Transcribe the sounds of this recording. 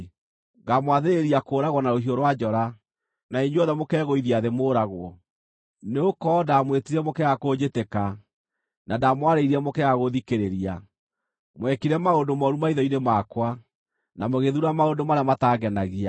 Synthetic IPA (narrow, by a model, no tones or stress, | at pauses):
ɣamwaðeɾeɾiakoːɾaɣwɔnaɾoɦioɾwad͡ʒɔɾa | naiɲɔðɛmokɛːɣoiðiaðemoːɾaɣwɔ | neokɔdamwetiɾɛmokɛɣakoːd͡ʑeteka | nadamwaɾeiɾiɛmokɛɣaɣoðikeɾeɾia | mwɛkiɾɛmaondomɔɾumaiðɔinemakwa | namoɣeðuɾamaondomaɾeamataɣɛnaɣia